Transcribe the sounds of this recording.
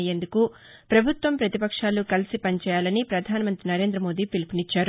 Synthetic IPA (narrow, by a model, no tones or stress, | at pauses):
je̞nd̪uku | pɾɐbʱut̪ʋɐmpɾɐt̪ipɐkʂaːlukɐlisipɐnit͡ʃɛːjaːlɐnipɾɐd̪ʱaːnɐmɐnt̪ɾinɐɾe̞ːnd̪ɾɐmo̞ːd̪iːpilipinit͡ʃːaːɾ